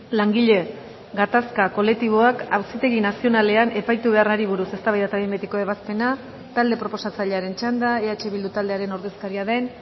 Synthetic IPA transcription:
laŋɡiʎe̞ | ɡat̪askako̞le̞kt̪iβ̞o̞akawsit̪e̞ɣinasio̞nale̞ane̞pajt̪uβe̞araɾiβuɾuse̞st̪aβajðat̪aβimbet̪iko̞e̞βaspe̞na | t̪ald̪e̞pɾo̞po̞sat͡saʎeaɾe̞nt͡ʃand̪ae̞at͡ʃe̞βild̪ut̪ald̪e̞aɾe̞noɾðe̞skaɾiaðe̞n

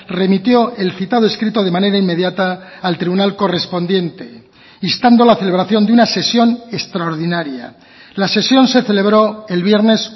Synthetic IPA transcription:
re̞mit̪jo̞elθit̪að̞oeskɾit̪o̞ð̞e̞mane̞ɾaimːe̞ðjat̪aːlt̪ɾiβunalko̞re̞spo̞nd̪je̞nt̪e̞ | ist̪and̪o̞laθele̞β̞ɾaθjo̞nd̪eunase̞sjo̞ne̞st̪ɾaoɾðinaɾja̰ | lase̞sjo̞nse̞θe̞le̞βɾo̞e̞lβje̞ɾne̞s

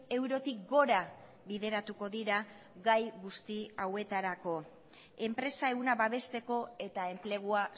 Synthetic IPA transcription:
e̞wɾo̞t̪ik̚ɡo̞ɾa | βiðe̞ɾat̪uko̞ðiɾa | ɡajɣust̪iawe̞t̪aɾako̞ | e̞mpɾe̞sae̞ɣunaβaβe̞st̪e̞ko̞e̞t̪ae̞mple̞ɣ̞ua

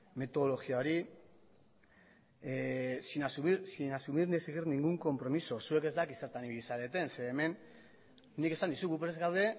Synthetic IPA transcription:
me̞t̪o̞ðolo̞ɣiaoɾi | sinasuβisinasuβirnieseɣirniŋɡuŋko̞mpɾo̞miso̞sue̞ke̞zd̪akiseɾt̪aniβiisaɾe̞t̪e̞nse̞ːme̞n | nike̞sand̪isuɣupɾe̞zɣawd̪e̞

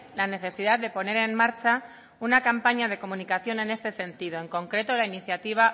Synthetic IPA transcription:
lane̞θe̞siðaððe̞po̞ne̞ɾe̞nmaɾt͡ʃa | unakampaɲað̞e̞ko̞mũnikaθjo̞ne̞ne̞st̪e̞se̞nt̪ið̞o̞e̞ŋko̞ŋkɾe̞t̪o̞lainiθjat̪iβ̞a

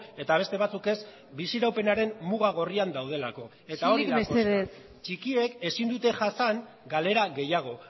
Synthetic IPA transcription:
e̞t̪aβ̞e̞st̪e̞β̞at͡suke̞z | bisiɾawpe̞naɾe̞mmuɣaɣo̞riand̪awð̞e̞lako̞ | e̞t̪aoiðaeseðes | t͡ʃikie̞ke̞sind̪ut̪e̞ʝasaŋ | ɡale̞ɾaɣe̞jaɣ̞o̞

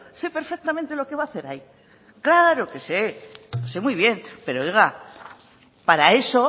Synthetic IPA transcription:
se̞peɾfe̞k̚t̪amẽnt̪e̞lo̞ke̞βaːθe̞ɾai | klaɾo̞ke̞seose̞mwijβ̞je̞npe̞ɾooɣa | paɾae̞so̞

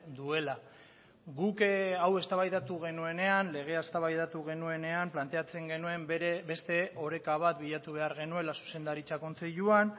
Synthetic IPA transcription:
d̪ue̞la | ɣukawe̞st̪aβajðat̪uɣ̞e̞nue̞ne̞anle̞ɣ̞e̞aest̪aβajðat̪uɣ̞e̞nue̞ne̞amplant̪e̞at͡se̞ŋɡe̞nue̞mbe̞st̪e̞o̞ɾe̞kaβ̞at̪biʎat̪uβ̞e̞aɾɣe̞nue̞lasu̥se̞nd̪aɾit͡sako̞nt͡se̞ʎuan

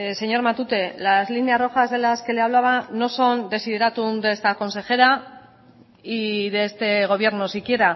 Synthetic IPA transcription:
se̞ɲo̞ɾmat̪ut̪e̞lazlinearo̞xazðe̞laske̞leaβ̞laβano̞so̞nd̪e̞siðeɾat̪und̪e̞st̪ako̞nse̞xe̞ɾa | iðest̪e̞ɣ̞o̞β̞je̞ɾno̞sikjeɾa

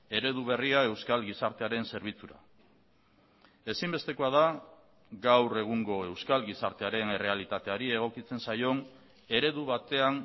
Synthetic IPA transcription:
e̞ɾe̞ðuβ̞e̞riae̞wskalɣisaɾt̪e̞aɾe̞nse̞ɾβ̞it͡suɾa̰ | e̞simbe̞st̪e̞ko̞aða | ɡawre̞ɣ̞uŋɡo̞e̞wskalɣisaɾt̪e̞aɾe̞ne̞re̞alit̪at̪e̞aɾie̞ɣ̞o̞kit͡se̞nsajo̞n | e̞ɾe̞ðuβat̪e̞aŋ

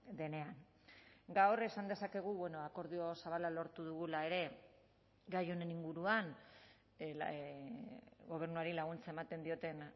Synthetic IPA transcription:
d̪e̞ne̞an | ɡawre̞sand̪e̞sake̞ɣ̞uβwe̞no̞ako̞ɾðio̞saβalalo̞ɾt̪uðuɣ̞ulae̞ɾe̞ | ɡajo̞ne̞niŋɡuɾuan | ɣo̞β̞e̞ɾnuaɾilaɣ̞unt͡sae̞mat̪e̞nd̪io̞t̪e̞n

